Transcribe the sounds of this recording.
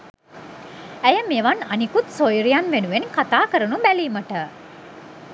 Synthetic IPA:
æjəmeʋananikut̪sojɾijanʋenuʋenkat̪aːkəɾənubæliːməʈə

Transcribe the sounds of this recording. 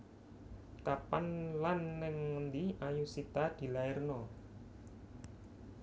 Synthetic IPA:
kapanlanːɪŋnd̪iajusit̪ad̪̥i̤laɪrnɔ

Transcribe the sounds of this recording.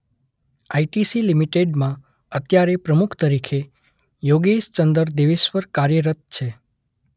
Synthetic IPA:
aiʈisilimiʈeɖmã | ət̪jaɾepɾəmukʰt̪əɾikʰe | joɡeʃt͡ʃənd̪əɾd̪eʋeʃʋəɾkaɾjəɾət̪̚t͡ʃʰe

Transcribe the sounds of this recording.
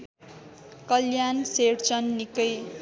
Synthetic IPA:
kʌljanseɽt͡sʌnːikʌj

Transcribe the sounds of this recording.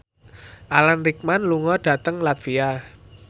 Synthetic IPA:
ʔalanrik̚manluŋɔɖ̥a̤t̪əŋlat̪fia

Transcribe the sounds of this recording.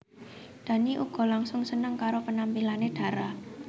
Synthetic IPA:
d̪̥a̤niʔuɡ̥ɔ̤laŋsʊŋsənəŋkaɾopənampilaneɖ̪̥ä̤ɾa

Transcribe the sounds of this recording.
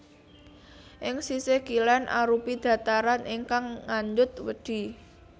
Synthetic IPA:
ʔɪŋsiseɡ̥ilɛnʔa̰ɾupid̪̥a̤t̪aɾanʔɪŋkaŋːaɲd͡ʒʊt̪̚wəd̪̥i̤

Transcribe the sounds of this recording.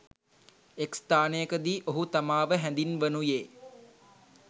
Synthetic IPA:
ekst̪aːnejəkəd̪iːʔoɦut̪amaːʋəɦænd̪inʋənujeː

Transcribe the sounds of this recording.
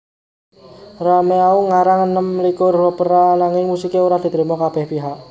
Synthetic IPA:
rameauŋaɾaŋənəmlikʊrːɔpəɾanaŋɪŋmusikeuɾahd̪̥i̤t̪ɾimɔkab̥ɛhpiɦaʔ

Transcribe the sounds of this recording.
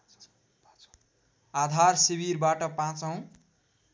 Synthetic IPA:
ad̪ʱarsibirbaʈʌpãt͡sʌw̃

